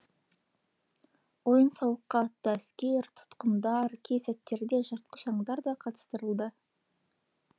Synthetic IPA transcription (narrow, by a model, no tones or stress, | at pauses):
wo̞jənsɑwəqːɑt̪ːəæskʲe̞ɾt̪ʰʊ̥t̪qəmd̪ɑɾkʲʰesæt̪ːe̞ɾd̪e̞ʒəɾt̪qəʒɑɴd̪ɑɾd̪ɑqʰɑt̪ə̥st̪əɾəlˠd̪ə